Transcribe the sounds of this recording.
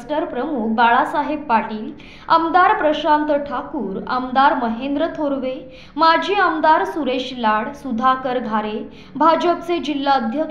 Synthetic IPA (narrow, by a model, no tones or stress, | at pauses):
sʈəɾpɾəmuk̚ʰbaɭasaɦebːaʈiːl | ə̰md̪aɾpɾəɕant̪əʈʰakuːɾə̰md̪aɾməɦend̪ɾət̪ʰoɾʋe | mad͡ʑʱiːəmd̪aɾsuɾeɕlaɽsud̪ʱakəɾɡʱaɾe | bʱad͡ʑəp̚t͡sed͡ʑilːaəd̪ʱjək